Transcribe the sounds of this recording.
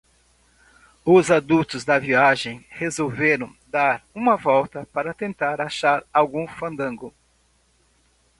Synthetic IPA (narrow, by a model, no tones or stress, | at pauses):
ʊzad̪ut̪ʊzd̪ɐviaʒẽj̃hezowveɾɐ̃w̃d̪aɾũmɐvɔwt̪ɐpaɾɐt̪ẽnt̪aɾaʃaɾawɡũfɐ̃nd̪ɐ̃ŋɡʊ